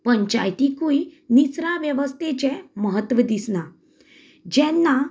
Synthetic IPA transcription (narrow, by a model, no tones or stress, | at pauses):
pəɲt͡ɕa̰jt̪ikuinisɾaʋjəʋəst̪et͡ɕẽməɦət̪ːʋəd̪isna | d͡ʑɛnːa